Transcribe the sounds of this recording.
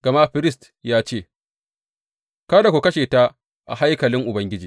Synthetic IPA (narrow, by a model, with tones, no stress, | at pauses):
ɡ̥ɐ˨ma˦ɸɪ˦ɾɪ˦st | jaː˦t͡ʃeː˦˨ | kaː˦da˨kʷo˨kɐ˦ʃeː˨ta˦ | ʔa̰˨ha˦jkɐ˨lɪ˦ŋʔʊ˨bɐ˦ŋɡʲɪ˦d͡ʒiː˨